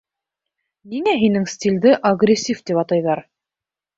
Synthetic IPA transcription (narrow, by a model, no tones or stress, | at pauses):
niŋæɦinɘŋst̪ʲilʲd̪ɘʔɐɡrʲesʲift̪ipɑt̪ɑjðɑɾ